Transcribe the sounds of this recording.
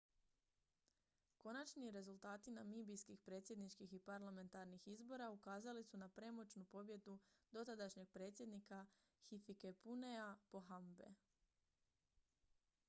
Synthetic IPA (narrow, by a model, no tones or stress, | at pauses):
ko̞nat͡ʃniɾe̞zulˠt̪aːt̪inamibijskixpɾe̞ːt̪sje̞d̪nit͡ʃkixipaɾlame̞nt̪aɾnixizbo̞ɾaukaːzalisunapɾe̞mo̞t͡ʃnupo̞bje̞d̪ud̪̥o̞t̪ad̪aʃɲe̞ɡ̚pɾe̞ːt̪sje̞d̪nika | xifikepunejapo̞ɦambe̞̰